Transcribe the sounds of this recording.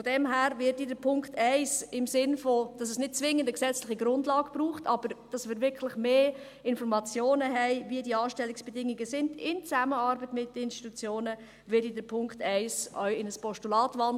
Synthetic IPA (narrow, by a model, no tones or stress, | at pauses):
fodɛmɦæːɾvɪdidəɾpʰʊŋkχtɛɪsɪmsɪnfod̥ɑs̬ɛsnɪt̚t͡sʋɪŋːəndəksɛt͡slɪχiɡɾʊndlɑːɡ̥b̥ruːχtʰɑb̥əɾd̥ɑsmɪːɾvɪɾkʰlɪχmeː | ɪnfɔɾmɑt͡sjoːnəɦɛɪviədiəɑːʃtɛlɪksb̥ɛdɪŋiɡəsɪndɪnt͡sæməɑɾbətmɪtdəɪnʃti̥tut͡sjoːnə | vɪdidəpʰʊŋktʰɛɪsʔœʏɪnəspɔʃtulɑːtvɑn